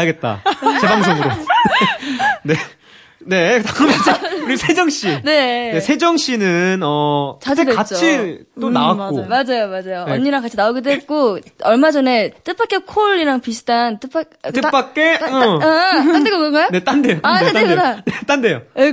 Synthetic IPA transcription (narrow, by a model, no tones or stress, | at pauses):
aɡe̞t̚t͈a̰t͡ɕebaŋsʰeŋɾo | ne | ne̞takɯmeseuɾisʰe̞d͡ʑʌŋɕ͈ine̞ne̞sʰe̞d͡ʑʌŋɕ͈inɯnʌkt͡ɕɯt͈eat͡ɕ͈t͡ɕʰit͈onawak͈omad͡ʑajomad͡ʑajoʌnːiɾaŋkat͡ɕʰinaoɡidwek͈oʌɭmad͡ʑʌne̞t͈ɯp͈ak͈ekʰoɭʎiɾaŋpis̬ʰɯ̥tʰant͈ɯp͈ʰa | t͈ɯp͈ak͈e̞ʌaandeɡokʌɡajone̞t͈ande̞jokadaeanet͈ande̞joe